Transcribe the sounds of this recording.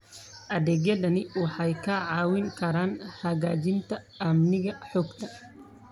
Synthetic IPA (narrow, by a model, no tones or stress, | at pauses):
ʔɐðɛːɡjɐðɐnɪwɑħɑjkʰɐʕɑːwɪŋkʰɐɾaːnhɐɣaːt͡ʃɪnt̪ʰɐ | ɐmnɪɣɐħɔːɡt̪ʰɐ